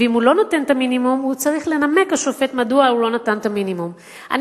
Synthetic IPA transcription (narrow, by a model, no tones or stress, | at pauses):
eimhulo̞note̞nt̪aminimumhut͡saʁiχle̞name̞kaʃofe̞tmaduaulo̞natant̪aminimum | ʔa̰n